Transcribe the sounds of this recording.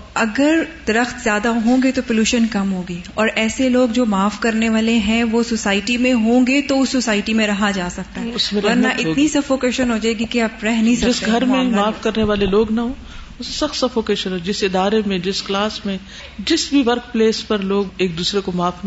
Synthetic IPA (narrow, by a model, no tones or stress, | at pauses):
ɐɡəɾd̪̥ɐɾəxt̪zjaːd̪aɦõːɡet̪opʊluːʃənkɐmɦoːɡiːɔːɾɛːseloːɡd͡ʒoːmaːfkɐɾneʋaːleɦɛ̃ʋososaːɪʈimẽɦõːɡet̪oʊsːosaːɪʈimẽɾɐɦad͡ʒaːsɐk̚t̪aɦɛʊsmẽʋɐɾnaʔɪt̪ːnisɐfoːkeːʃənɦoːd͡ʒaːeɡikiaːpɾɛɦnɐɦĩsɐd͡ʒɪsɡʱɐɾmẽmaːfkɐɾneʋaːleloːɡnɐɦõː | ʊsesɐxt̪sɐfoːkeːʃənɦoːd͡ʒɪsɪd̪aːɾemẽd͡ʒɪsklaːsmẽ | d͡ʒɪsbʱiʋɐɾk̚pleːspɐɾloːɡeːk̚d̪uːsɾekomaːfn